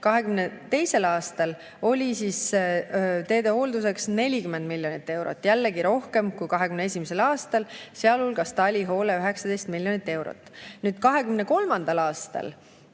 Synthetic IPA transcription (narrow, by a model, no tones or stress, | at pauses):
kɑɦe̞kymnet̪e̞jse̞lɑːst̪ɑl | o̞lʲisiːs | t̪e̞ːd̪e̞ho̞ld̪us̬e̞ksne̞lʲikymːend̪milʲːjo̞nit̪ːˑe̞wɾo̰t̪ːˑjælːeɡiɾo̞hke̞mkujkɑɦekymneesʲimese̞lɑːst̪ɑlseɑlulɡ̥ɑst̪ɑlʲiɦo̞ːle̞øɦe̞ksɑd̪ejst̪milʲːjo̞nit̪ːˑe̞wɾo̰t̪ːˑnyːd̪̥kɑɦe̞kymne̞ko̞lmɑnd̪̥ɑlɑːst̪ɑ̰l